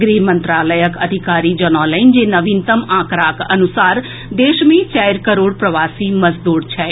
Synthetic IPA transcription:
ɡɾimə̃nt̪ɾaːləjəkɐd̪ʱikaːɾid͡ʒɔnɔːləɪnd͡ʒenɐʋint̪əmãːkɾaːkɐnusaːɾ | d̪eːʃmẽt͡ʃaːjɾkəɾoːɽpɾɐʋaːsimɐzd̪uːɾt͡ʃʰɛ

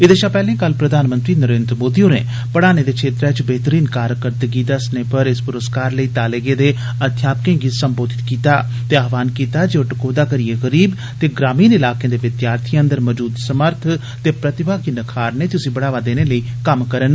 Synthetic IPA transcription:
ɪd̪eːʃãːpɛːlẽːkəlpɾəd̪aːnmə̃nt̪ɾiːnəɾeːnd̪ɾəmoːd̪iõːnḛː | pəɽaːneːd̪eːkʰeːt̪ɾɛːt͡ʃbeːt̪əɾiːnkaːɾkəɾd̪əɡiːd̪əsneːpəɾɪspʊɾəskaːɾləiːt̪aːleːɡeːd̪eː | ət̪ʰjaːpkẽːɡiːsəmboːd̪ɪt̪kiːt̪aː | t̪eaːʋaːnkiːt̪aːd͡ʒeːoʈəkoːd̪aːkəɾieːɣəɾiːb | t̪eːɡɾaːmiːnɪlaːkẽːd̪eːʋɪt̪jaːɾt̪ʰiə̃nd̪əɾməd͡ʒuːd̪səməɾt̪ʰ | t̪eːpɾət̪ɪbʱaːkiːnəkʰaːɾneːt̪ʊsĩːbəɽaːʋaːd̪eːneːləiː | kəmkəɾən

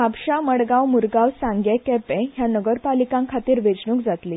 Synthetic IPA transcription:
apɕaməɽɡawmuɾɡawsãŋɡjɛkɛpɛ̃ɦjanəɡəɾpalikãŋkʰat̪iːɾʋed͡ʑɳũːkd͡zat̪liː

